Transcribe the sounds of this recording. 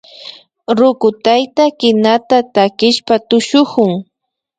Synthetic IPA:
ɾʊkʊt̪ajt̪akɪnat̪at̪akɪʃpat̪ʊʃʊhʊŋ

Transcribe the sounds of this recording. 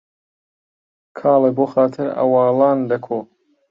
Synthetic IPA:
kʰɑːleboːxaːt̪ʰɨɾɐ̰wɑːlɑːnd̪ɐkʰo

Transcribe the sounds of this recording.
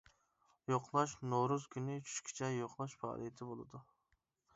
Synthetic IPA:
joqlˠɑʃnoɾuz̥kʲynɪt͡ʃʰy̥ʃkʲʰi̥t͡ʃʰɛjoqlˠɑʃpɑ̰ːlˠḭjet̪ʰɪbolˠɨ̰d̪u

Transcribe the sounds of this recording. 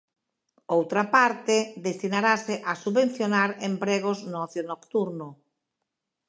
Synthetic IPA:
owt̪ɾapaɾt̪ed̪est̪inaɾaseʔasuβen̟θjonaɾempɾeɣ̞oznɔθjonokt̪uɾno

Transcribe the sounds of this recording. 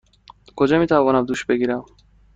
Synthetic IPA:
kʰod͡ʒɒːmiːt̪ʰævɒːnæmd̪uːʃbeɡiːɾæm

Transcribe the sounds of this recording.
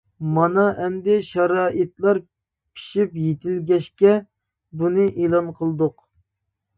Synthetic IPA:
mɑnɑʔɛmd̪ɪʃɑɾɑːʔɨt̪lˠɑɾ | pʰi̥ʃipjet̪ʰɪlɡʲɛʃkʲɛ | bunɨʔelˠɑnqʰəlˠɨd̪ʊq

